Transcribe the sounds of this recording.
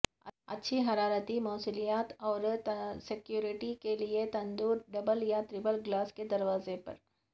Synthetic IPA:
ɐ̰ɐ̰tːʃʰiɦɐɾaːɾət̪imɔːsʊlijaːt̪ɔːɾsɪkjuːɾɪʈikeliet̪ɐ̃nd̪uːɾɖɐbəljat̪ɾɪbəlɡlaːsked̪ɐɾʋaːzepɐ̰ɾ

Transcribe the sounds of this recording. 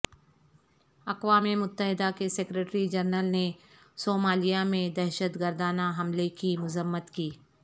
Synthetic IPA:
ɐqwaːmimʊt̪ːəɦɪd̪akeseːkɾeːʈɾid͡ʒɐɾnəlne | soːmaːlijamẽd̪ɛːʃət̪ɡəɾd̪aːnaɦɐmlekimʊzəmːət̪kiː

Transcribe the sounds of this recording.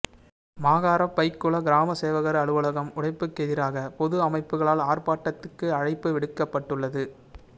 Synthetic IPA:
maːɣaːɾɐpːɐɪkːɯɭɐɡɪɾaːmɐseːʋɐɣɐɾɐɐɭɯʋɯɭɐɣɐmʊɽɐɪpːɯkːɛðɪɾaːɣɐpɔðɯɐmɐɪpːɯɣɐɭaːlaːrpaːʈːɐt̪ːɯkːɯɐɻɐɪpːɯʋɪɽɯkːɐpːɐʈːɯɭːɐðɯ

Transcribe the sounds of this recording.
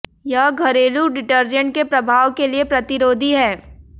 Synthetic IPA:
jaɡʱɐɾeːluɖɪʈəɾd͡ʒə̃ɳʈ̚kepɾɐbʱaːʋkeliepɾɐt̪ɪɾoːd̪ʱiɦɛː

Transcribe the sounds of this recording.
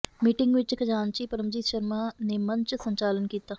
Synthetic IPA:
miːʈɪ̃ŋɡʋɪt͡ʃkəd͡ʒaːnt͡ʃiːpəɾəmd͡ʒit̪ʃəɾmanemə̃ɲt͡ʃsə̃ɲt͡ʃaːlənkiːt̪aː

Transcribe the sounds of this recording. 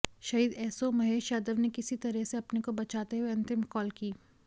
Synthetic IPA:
ʃɐɦiːd̪ɛːsomɐɦeːʃaːd̪əʋnekɪsit̪ɐɾɛseɐpnekobɐt͡ʃaːt̪eɦueɐ̃nt̪ɪmkɔːlkiː

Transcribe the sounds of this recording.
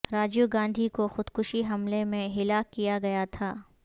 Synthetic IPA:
ɾaːd͡ʒuɡãːnd̪ʱikoxʊd̪kʊʃiɦɐmlemẽɦɪlaːkːijaɡɐjat̪ʰaː

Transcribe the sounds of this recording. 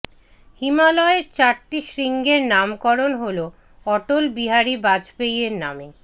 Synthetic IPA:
himalɔeɾt͡ɕaɾʈiʃɾiŋɡeɾnamkɔɾonɦolo | ɔʈolbiɦaɾibad͡ʑpejeɾname

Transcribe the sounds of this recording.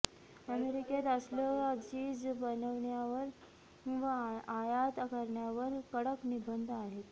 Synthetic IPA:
əmeɾiket̪əsləat͡ɕiːd͡zbənəʋɳjaʋəɾ | ũʋaajat̪əkəɾɳjaʋəɾkəɽəknibənd̪ʱaɦet̪

